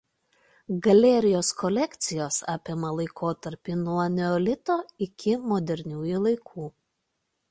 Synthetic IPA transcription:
ɡɐlʲɛɾʲɪjoːskɔlʲɛkʲt̪sʲɪjoːsɑːpʲɪmɐlˠɐɪkʰoːt̪ɐɾʲpʲɪnuɔɐnʲɛɔlʲɪt̪oːɪkʲɪmɔd̪ʲɛɾʲnʲuːjuːˑlˠɐɪkʰuː

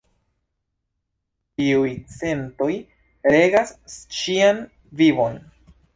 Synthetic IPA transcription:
tiujt͡se̞nto̞j | ɾe̞ɡasʃian | vivo̞n

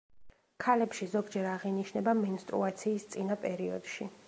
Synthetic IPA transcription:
kʰalɛpʃizɔɡd͡ʒɛɾaʁiniʃnɛbamɛnst̪ʼɾṵat̪sʰiːst̪sʼinapʼɛɾiɔd̪̥ʃi

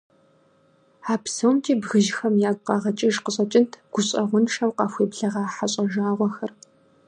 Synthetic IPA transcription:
aːpsɐwmtʰiːbɣɨʒxɐmjaːɡʷqɑʁɐt͡ʃʼɪʒqəɕʼɐt͡ʃʼɪntʰɡ̥ʷʊɕʼɐʁʷʊnʂʰɐwqɑːfʷeːbɮɐʁɑːħaɕʼɐʒaːʁʷɔxɐr

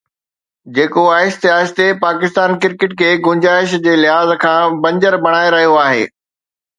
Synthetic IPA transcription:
d͡ʑeːkoaːɦɪʃt̪ɪɦaːd͡ʑt̪epaːkɪst̪aːnkɪɾkɪʈkʰeːɡʊ̃ɲd͡ʑaːɪʃd͡ʑeːlɪɦaːzkʰãːbɐ̃ɲd͡ʑəɾbɐɽ̃aːeɾɐɦijoaːɦḛː

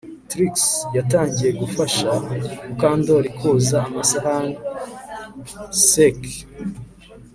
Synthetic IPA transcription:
tɾiksjataːɲɟije̞ɡufaʃakaːndoaɾikʰoːzaːmasaɾaŋ | sek

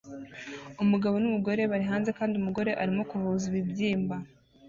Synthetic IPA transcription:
umuɡaβo̞numuɡo̞ɾe̞βaɾiɦaːnze̞kaːndiumuɡo̞ɾe̞ʔaɾimo̞kuβuziβibɟiːmba

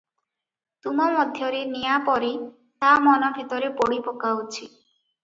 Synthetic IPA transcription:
t̪umɔmɔd̪ʱjɔɾenijapɔɾi | t̪amɔnɔbʱit̪ɔɾepoɽipɔkawt͡ʃʰi

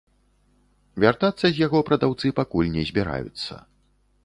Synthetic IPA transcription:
vʲart̪at̪sːɐzʲjaɣɔpɾɐd̪awt̪sɨpakulʲnʲɛzʲbʲɛɾa̰jṵt̪sːɐ̰

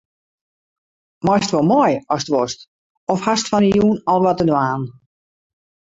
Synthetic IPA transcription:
mɔjsətʋolˠmojɔsətʋɔst | ɔfhastfɔnəjuːnɔlˠʋɔtədwaːn

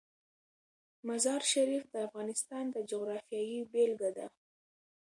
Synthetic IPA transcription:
mazɑɾʃaɾifd̪əafɣɑnɪst̪ɑnd̪əd͡ʒoɣɾɑfijɑjibelɡad̪a

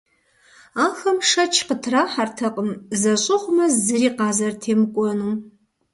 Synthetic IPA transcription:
axɐmʂɐt͡ʃʰqətʰraħartʰɐqʼəmzɐɕʷʼʊχʷmɐzːɨriːqaːzɐrtʰeːmkʷʼɔnum

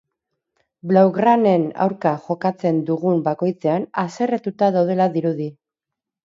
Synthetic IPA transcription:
blawɣɾane̞na̰wɾkaʝo̞kat͡se̞nd̪uɣumbako̞jt͡se̞anase̞ret̪ut̪aðawð̞e̞laðiɾuði

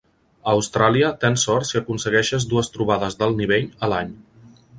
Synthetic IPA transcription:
əːwst̪ɾaliət̪ensɔɾt̪siəkunsəɣɛʃəzd̪uəst̪ɾuβ̞aðəzðəlˠniβ̞eʎəlaɲ

